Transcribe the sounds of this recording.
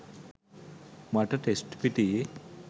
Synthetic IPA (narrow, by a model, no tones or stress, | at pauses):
maʈaʈesʈpiʈ̪i